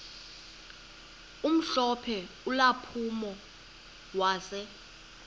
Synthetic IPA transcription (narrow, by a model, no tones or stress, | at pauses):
um̩ɬɔpʰɛ | ulapʰumɔ | waːsɛ